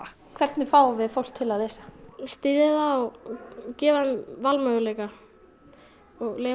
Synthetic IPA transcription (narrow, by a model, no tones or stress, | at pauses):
kʰvɛt̪nɪfaːwavɪðfowl̥t̪ʰːɪlawθɛsḁst̪iːðɪðaɔɣcɛːvanvalmœɣʏleːjka | ɔɣleː